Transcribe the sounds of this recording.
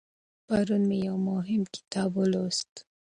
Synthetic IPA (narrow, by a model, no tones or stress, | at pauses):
paɾunmejawmʊɦɪmkɪ̥t̪ɑbolost̪